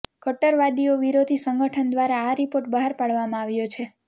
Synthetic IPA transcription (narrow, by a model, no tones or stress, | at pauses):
kəʈːəɾʋad̪ioʋiɾod̪ʱisəŋɡəʈʰənd̪ʋaɾaːɾipoɾʈbəɦaɾpaɭʋamãaʋjot͡ʃʰe